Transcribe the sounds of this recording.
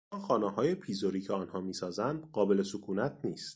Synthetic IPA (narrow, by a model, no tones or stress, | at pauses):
mɒːxɒːnɛɦɒːje̞pʰiːzoɾiːcʰeɒːnhɒːmiːsɒːzænd̪̥ɢɒːbe̞le̞sokʰuːnæt̪ʰniːst̪